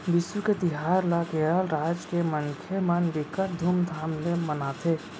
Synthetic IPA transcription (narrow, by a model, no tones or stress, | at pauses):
bɪsuket̪ɪɦaːɾlakeəlɾaːd͡ʒkeməŋkʰemənbɪkəɾ̚d̪ʱuːmd̪ʱaːmlemənaːt̪ʰeː